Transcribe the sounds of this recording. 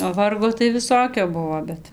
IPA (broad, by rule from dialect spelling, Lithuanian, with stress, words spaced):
oː ˈʋɐrɡoː tɐɪ ʋʲɪˈsoːkʲoː ˈbʊʋoː ˈbʲɛt